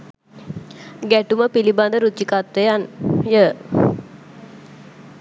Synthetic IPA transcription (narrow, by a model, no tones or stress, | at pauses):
ɡæʈuməpiliband̪əɾut͡ɕikat̪ʋəjanjə